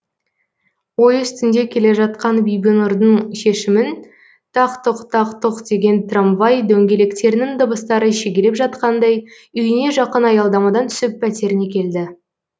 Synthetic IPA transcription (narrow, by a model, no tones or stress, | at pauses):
wo̞jʏst̪ɪnd̪e̞kʲʰe̞leʒɑt̪̚qɑnbʏjɡʲɪnʊɾd̪əɴʃe̞ʃɪmɪn | t̪ʰɑqt̪oqt̪ʰɑqt̪əqd̪e̞ɡʲe̞nt̪ʰramvɑjd̪ɵŋɡʲe̞le̞kt̪e̞ɾɪnɪŋd̪əbəst̪ɑɾəʃeɡʲeɾepʒɑt̪qɑnd̪ɑj | ʏjɪne̞ʒɑqənɑjɑlˠd̪ɑmɑd̪ɑnt̪ʰʏ̥sɪppʰːæt̪e̞ɾɪne̞kʲʰe̞ld̪ɪ